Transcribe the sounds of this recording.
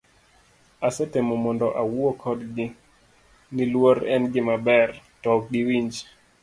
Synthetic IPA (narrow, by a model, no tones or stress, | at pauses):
asɛtemɔmɔndɔʔawuɔkʰɔdɡɪ | nilwɔɾɛnɡɪmabɛrtɔk̚ɗiwiɲd͡ʒ